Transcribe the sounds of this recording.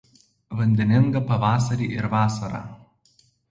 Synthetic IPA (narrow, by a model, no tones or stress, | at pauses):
ʋɐnʲd̪ʲɛnʲɪŋɡɐpɐʋɑːsɐɾʲiːʔɪɾʋɑːsɐɾɑ̰